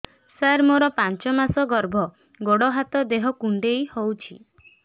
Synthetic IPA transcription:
saɾmoɾɔpant͡ʃɔmasɔɡɔɾbʱɔ | ɡoɽɔɦat̪ɔd̪eɦɔkuɳɖejhowt͡ʃʰḭ

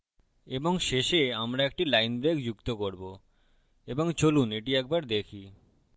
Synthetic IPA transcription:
eboŋʃeʃeamɾaek̚ʈilajnbɾekd͡ʑukt̪okoɾbo | eboŋt͡ɕoluneʈiɛk̚baɾd̪ekʰi

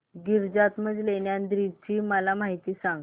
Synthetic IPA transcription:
ɡiɾd͡zat̪məd͡zleɳjand̪ɾit̪ʰiːməlamaɦit̪iːsãŋɡ

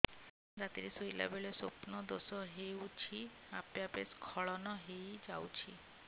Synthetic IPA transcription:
d͡ʒat̪iɾesojla̰beɭesopnɔd̪osɔɦewt͡ʃʰiapjapeskʰɔɭɔnɔɦejd͡ʒawt͡ʃʰi

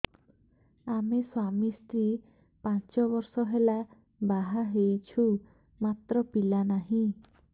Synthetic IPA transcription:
ameswamist̪ɾi | pãt͡ʃɔbɔɾsɔɦela | baɦaɦejt͡ʃʰu | mat̪ɾɔpilanaɦĩ

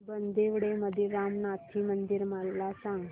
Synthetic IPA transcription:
bənd̪eʋɽeməd̪ʱiɾamnat̪ʰimənd̪iɾməlasãŋɡ

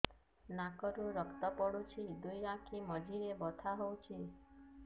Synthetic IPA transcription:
nakɔɾũɾəkt̪ɔpɔɽut͡ʃʰid̪ujɾãkʰiməd͡ʒʱiɾebɔt̪ʰaɦowt͡ʃʰi

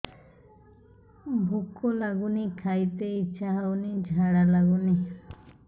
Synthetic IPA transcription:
bʱukolaɡunĩkʰajt̪eit͡ʃaɦaunĩd͡ʒʱaɽalaɡuni

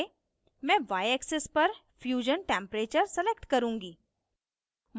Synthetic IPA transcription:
mɛ̃ːʋaːjeksɪspɐɾfjuːʒənʈẽːmpɾeːt͡ʃəɾsɛlekʈkɐɾũːŋɡiː | m

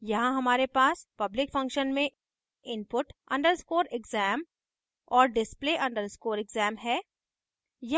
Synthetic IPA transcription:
jɐɦãɦɐmaːɾepaːspɐblɪkfɐ̃ŋkʃənmẽ | ɪnpʊʈɐ̃ɳɖəɾskoːɾɪɡzɛːm | ɔːɾɖɪspleːʔɐ̃ɳɖəɾskoːɾɪɡzɛːmɦɛː | jɐ

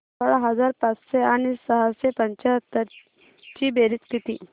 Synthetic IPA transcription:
səɭɦəd͡zaɾpat͡sɕeaɽ̃isəɦasepəɲt͡ɕaɦət̪ːəɾ | t͡ɕiːbeɾit͡sk̪it̪iː

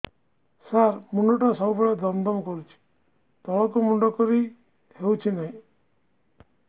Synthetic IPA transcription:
saɾmuɳɖɔʈasɔwbeɭad̪ɔmd̪ɔmɔkɔɾut͡ʃʰi̥ | t̪ɔɭɔkɔmuɳɖɔkɔɾi | hewt͡ʃʰinaɦĩ

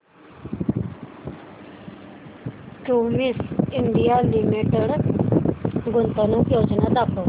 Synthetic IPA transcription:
ʈuːmisɪnɖ̪ɪjaːlɪmiʈəɽ | ɡʊnt̪anũːpjoːd͡ʒnaːt̪aːkoː

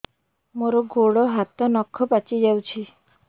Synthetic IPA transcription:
moɾɔɡoɽɔɦat̪ɔnɔkʰːɔpat͡ʃid͡ʒawt͡ʃʰi

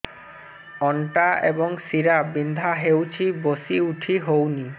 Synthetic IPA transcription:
ɔɳʈaḛboŋsiɾabind̪ʱaɦewt͡ɕʰibosiuʈʰiɦowni

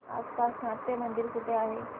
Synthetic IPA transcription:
a̰spasnat̪ːemənd̪iɾsuʈ̪eaɦe

